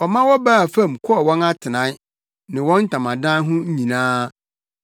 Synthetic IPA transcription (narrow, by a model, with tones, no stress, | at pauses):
ɔ˨mã˦wɔ˦baː˦˨fã˦˨mkʰʊ˦ɔ˨wɔ̃˦na˦tʰɪ˨nã˦ | nɪ̃˨wɔ̃˦n̩˦tʰã˨mã˨dã˦n˦ɦʊ̃˦ɲ̩˦ɲĩ˨nãː˦